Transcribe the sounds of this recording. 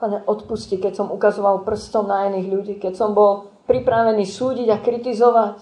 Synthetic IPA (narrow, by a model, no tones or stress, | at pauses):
paɲɛʔɔt̪puscikɛcsɔmukazɔʋalpr̩st̪ɔmnainiːɣʎuɟiːkɛcsɔmbɔl | pɾipɾaʋɛniːsuːɟiɟakɾit̪izɔʋac